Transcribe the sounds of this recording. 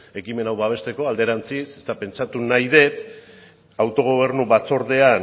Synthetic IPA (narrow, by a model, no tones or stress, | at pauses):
e̞kime̞nawβaβ̞e̞st̪e̞ko̞ald̪e̞ɾant͡sisest̪ape̞nt͡ʃat̪unajðe̞p | awt̪o̞ɣ̞o̞β̞e̞ɾnuβat͡so̞ɾðe̞a